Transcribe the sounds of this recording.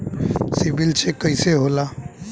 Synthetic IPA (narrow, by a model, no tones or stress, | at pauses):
sibilt͡ʃʰekəiseɦoːla